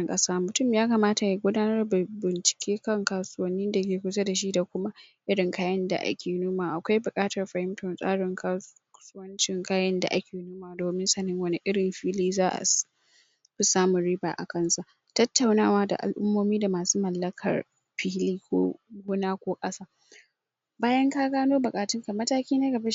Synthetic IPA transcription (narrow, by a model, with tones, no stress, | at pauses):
ŋkʼɐ˦saː˦mʊ˨tʊ˦˨mjaː˦kɐ˨maː˦ta˨ja˨ɡʷʊ˦daː˦nɐ˦rbɪ˨nt͡ʃɪ̥˨kʲʰeː˦kɐ˦ŋkaː˨sʊ˦wɐ˦nːiː˦da˨k̬ʲeː˨kʷʊ˦sɐ˦da˨ʃ̬i˦da˨kʷʊ˦ma˦ʔɪ˦ɽɪ˨ŋkaː˦jɐ˦nda̰˨ʔa̰˦kʲeː˨nuː˦maː˨ʔa˨kʷa˦jbʊ˨kʼaː˦tɐ˨rɸɐ˨hɪ˦mtɔ˨nsʼa̰ː˦ɽɪ˨ŋkʰa˦ | sʊ˦wɐ˦nt͡ʃɪ˨ŋkaː˦jɐ˦nda̰˨ʔa̰˦kʲʰeː˨nuː˦maː˨doː˨mɪ˦nsɐ˨nɪ˦ŋwɐ˦nɪ˦ʔɪ˦ɽɪ˨mɸiː˦liː˦zaː˦ʔa̰˨ | ɸɪ˦saː˦mʊ˨ɽi˦ba̰ː˨ʔa̰˨kɐ˦nsa˨ʔ | tɐ˦tːa˨wnaː˦˨waː˦da̰˨ʔa̰˨lʔʊ˦mːoː˦miː˦da˨maː˨suː˦mɐ˨lːɐ˦kʰɐ̰˨r | ɸiː˦liː˦kʷo̰ː˦ɡuː˦naː˦kʷoː˦kʼɐ˦saː˦ | baː˦jɐ˦ŋkaː˦ɡaː˦noː˦bʊ˨kʼaː˨tɪ˦ŋka˨mɐ˦taː˦kʲiː˦na˦ɡɐ˨ba˦